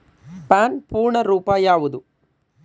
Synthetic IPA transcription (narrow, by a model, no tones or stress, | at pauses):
paːnpuːɾɳɐɾuːpaːjaːʋud̪u